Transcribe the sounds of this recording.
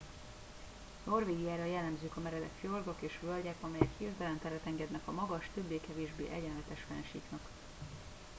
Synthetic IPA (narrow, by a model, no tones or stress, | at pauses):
no̞rveːɡijaːɾɒjɛlːɛmzyːkɒmɛɾɛd̪ɛkjolɡokeːʃʋølɟɛkɒmɛjɛkheːzd̪ɛlɛnt̪ɛɾɛt̪ɛŋɡɛd̪nɛkɒmɒɡɒʃt̪ø̞bːeːkɛveːʒbḛːʔɛɟɛnlɛt̪ɛʃfɛnʃḭːknɒk